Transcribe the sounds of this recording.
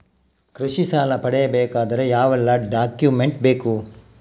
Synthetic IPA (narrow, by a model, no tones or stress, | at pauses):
kɾuʂisaːlɐpɐɽɛjɐbeːkaːd̪ɐɾe̞jaːʋɛlːɐɖaːkjume̞ɳʈ̚be̞ːku